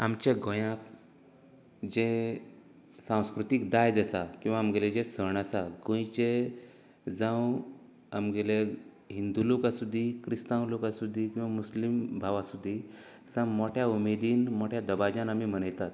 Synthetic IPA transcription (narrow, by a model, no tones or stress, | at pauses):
amt͡ɕeɡõjãk̚ | d͡ʑẽ | sãw̃skɾut̪ikd̪ajd͡zəsakĩw̃ʋaːmɡeled͡ʑesəɳasaɡõjt͡ɕe | d͡zãw | amɡele | ɦind̪ulokasud̪ʱːiːkɾist̪ãwlokasud̪ʱːiːkĩw̃ʋamuslimbʱaʋasud̪ʱːiː | sãmɔʈʰjaumed̪iːnmɔʈʰjad̪əbad͡ʑãnamiːm̤ənəjt̪at̪